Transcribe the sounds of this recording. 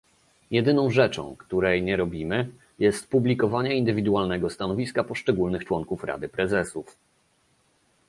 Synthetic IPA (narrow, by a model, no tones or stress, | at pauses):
jɛd̪ɘnɔ̃w̃ʐɛt͡ʂɔ̰̃w̃kt̪uɾɛjɲɛɾɔbʲimɘ | jɛst̪publʲikɔvaɲɛind̪ɘvʲid̪uwalnɛɡɔst̪anɔvʲiskapɔʂt͡ʂɛɡulnɘxt͡ʂwɔŋkufɾa̰d̪ɘpɾɛzɛsuf